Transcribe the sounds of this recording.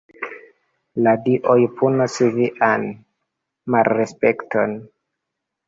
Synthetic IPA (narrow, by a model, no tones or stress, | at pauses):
ladiʔojpʰunosiviʔan | malɾespektʰo̰n